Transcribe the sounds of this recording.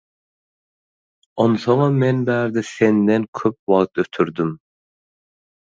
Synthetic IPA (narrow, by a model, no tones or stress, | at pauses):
onsoŋɑmɛnbæːɾd̪ɛsɛnd̪ɛnkʲʰøp̚wɑʁt̪øt̪ʰyɾd̪ym